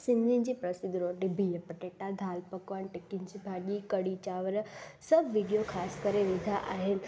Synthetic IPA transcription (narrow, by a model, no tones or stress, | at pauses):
sɪ̃nĩnd͡ʑipɾɐsɪd̪ɾoɾɖɪbʱijəpəʈeʈad̪ʱaːlpəkʋanʈɪkɪnsibʱaʄikəɽit͡ɕaːʋəɾsɐbʱʋɪɖijokʰaːskəɾeʋɪd̪ʱaʔaːɦɪnɪ̆